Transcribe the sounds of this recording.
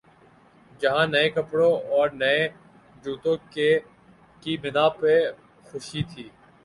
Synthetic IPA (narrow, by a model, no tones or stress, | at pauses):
d͡ʒɐɦãːnɐẽkəpɽõɔːɾnɐe | d͡ʒuːt̪õːke | kibɪnaːpe | xʊʃit̪ʰiː